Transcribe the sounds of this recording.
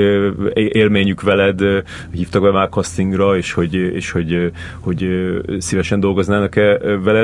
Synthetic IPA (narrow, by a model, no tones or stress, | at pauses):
eːlmeːɲykʋɛlɛd̪ | hiːft̪ɒɡ̚bɛmaːrkɒst̪iŋɡrɒeːʃho̞ɟḛːʃho̞ɟ | ho̞ɟsivɛʃɛnd̪o̞lɡo̞znaːnɒkɛvɛlɛ